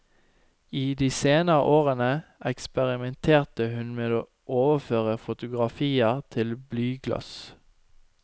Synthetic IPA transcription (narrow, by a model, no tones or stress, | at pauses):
iːd̪iːseːnəʁə̰ʔoːʁənəʔɛkspɛʁɪmɛnt̪ʰeːʁt̪əhʉnmeːoː | ʔoːʋəføːʁəfʊt̪ʊɡʁɑfiːəʁt̪ʰɪlblyːɡlœ̰s